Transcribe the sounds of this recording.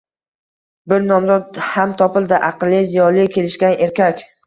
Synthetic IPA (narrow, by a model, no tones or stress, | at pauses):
bɪɾnɒmzɒt̪̚hamt̪ʰɒpɪlˠd̪ɪʔɑqlˠːɪzijɒɾlɪkʲʰe̞lɪʃkʲanʔe̞ɾkʲakʲ